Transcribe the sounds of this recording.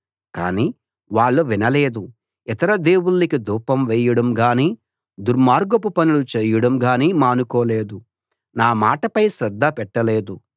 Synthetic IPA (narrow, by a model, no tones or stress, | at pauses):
ka̰ːniː | ʋaːɭːuʋinɐleːd̪u | it̪ɐɾɐd̪eːwuːikid̪uːpɐmʋɛːjɐɽɐmɡaːniː | d̪uɾmaːɾɡɐpupɐnulut͡ʃeːjɐɽɐmɡaːniːmaːnukɔːleːd̪u | naːmaːʈɐpɐjʃɾɐd̪ːɐpɛʈːɐleːd̪u